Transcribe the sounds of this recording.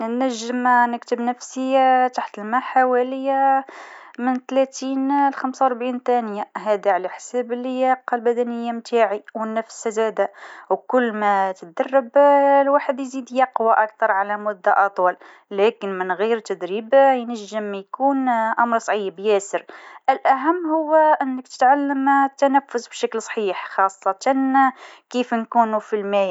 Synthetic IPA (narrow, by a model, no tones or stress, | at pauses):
əæʒːəmnəkt̪əbnəfsit̪aħt̪əlmæħawæləja | mənt̪læt̪inlxæmsawɾbʕint̪ænjaɦæd̪aʕalæħsæbəlːəjæqlbæd̪ænəjːamt̪ʰaʕiwnæfsæzæd̪æwkʊlːmæt̪ət̪̚d̪ɑrˤːɑblwaħəd̪jzid̪jɑqwaʔakt̪ɑɾˤʕalæmʊd̪ːa̰ʔɑt̪ˤwɑl | lækənmənɣiɾt̪ːæd̪ɾibjnæʒːəmːjkuːnʔɑmɾˤsˤʕiːbjæsəɾʔəlʔæɦæmːhʊwːæʔənːək̚t̪ə̥t̪ʕalːəmt̪ːænæfːʊsbʃæklsˤħiːħxɑsˤːɑt̪ɑnkifnkunufilmæj